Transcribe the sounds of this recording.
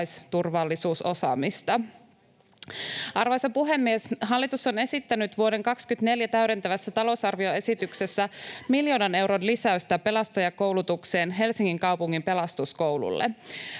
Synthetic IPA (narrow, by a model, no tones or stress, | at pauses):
jst̪urʋɑlːisuːso̞sɑ̰ːmist̪ɑ | ʔɑrʋojsɑpuɦe̞mːiesɦɑlːit̪uso̞ne̞sit̪ːænyt̪ʋuode̞ŋkɑkskyt̪ne̞ljæt̪æyɾe̞nt̪æʋæsːæt̪ɑlo̞usɑrʋio̞e̞sit̪ykse̞sːæmiljo̞ːnɑne̞wɾo̞nlisæyst̪æpe̞lɑst̪ɑjɑkowlut̪ukse̞ːnɦe̞lsiŋːiŋkɑwpuŋːimpe̞lɑst̪usko̞wlṵlːḛ